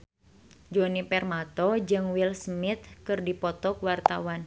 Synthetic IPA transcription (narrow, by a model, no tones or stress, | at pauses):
d͡ʒɔnipɛrmat̪ɔd͡ʒɨŋwilsmɪt̪̚kɨrdipɔt̪ɔkwart̪a̰wan